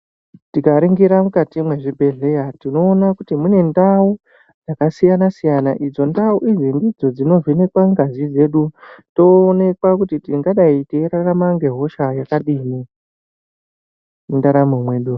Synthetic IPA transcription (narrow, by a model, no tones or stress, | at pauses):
tikaɾiŋɡiɾamukatimwe̞ʐibʱe̞ɮe̞jatino̞ːnakutimune̞ndau | d͡zakasijanasijanaʔid͡zo̞ndauʔid͡zindid͡zo̞d͡zino̞vʱine̞kwaŋɡazid͡ze̞ɗuto̞ːne̞kwakutitiŋɡaɗaiteɾaramaŋɡe̞ɦo̞ʃajakaɗimi | mindaɾamomwe̞ːɗu